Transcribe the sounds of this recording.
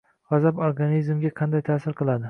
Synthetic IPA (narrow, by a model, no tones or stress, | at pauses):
ʁazaboɾɡanizmɡʲaqʰɑnd̪ajt̪ʰaːsɪɾqʰɨlˠad̪ɪ